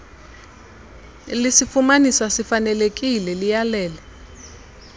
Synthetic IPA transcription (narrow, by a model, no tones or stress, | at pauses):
lisifumanisasifanɛlek̬ʼilɛlijalɛːlɛ